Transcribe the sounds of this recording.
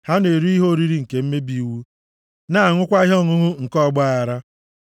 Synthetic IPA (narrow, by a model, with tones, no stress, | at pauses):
ha˦ne˨ɾu˦i˦ɦo˦˨ɾi˦ɾi˦ŋ̩˨ke˨m̩˦me˦bi˦˨wu˦ | na˦a˨ŋʷʊ˦kʷa˦ɦɔ˦˨ŋʊ˦ɦʊ˦ŋ̩˨kɔ˦˨ɡ͡ba˦˨a˨ɾa˦